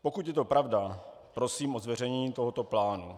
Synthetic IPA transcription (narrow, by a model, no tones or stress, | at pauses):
po̞kut̪jɛt̪o̞pɾavda | pɾo̞siːmʔozvɛr̝ɛɲiːt̪oɦot̪o̞plaːnṵ